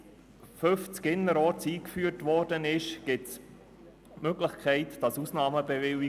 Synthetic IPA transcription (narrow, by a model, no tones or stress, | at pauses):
fɵft͡skɪnːəɾɔt͡siːkfyːrtʋɔɾd̥ənɪʃɡ̥ɪts | møɡlɪχkʰɛɪtd̥ɑsusnɑːməbevɪi